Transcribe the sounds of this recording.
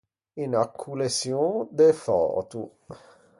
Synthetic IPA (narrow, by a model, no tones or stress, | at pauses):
inakʰːulesjod̪efɔ̰ːt̪u